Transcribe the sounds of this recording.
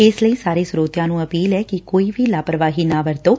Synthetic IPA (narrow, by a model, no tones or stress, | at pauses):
eːsləĩsaːɾisɾoːt̪janũəpiːlɛkikoːiʋilaːpɾəʋaɦinaʋəɾt̪o